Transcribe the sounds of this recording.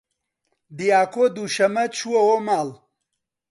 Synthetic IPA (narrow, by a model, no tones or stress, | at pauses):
d̪ijaːkod̪uʃɐmɐt͡ʃʰuwɐwomaːl